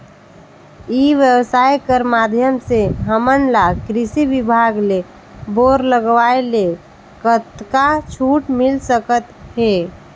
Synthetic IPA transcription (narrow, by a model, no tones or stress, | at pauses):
iʋjəwsaːjkəɾmad̪ʱjəmseɦəmənlakɾɪsiʋibʱaɡle | boɾləɡʋaele | kət̪kat͡ʃʰuːʈmɪlsəkət̪ɦe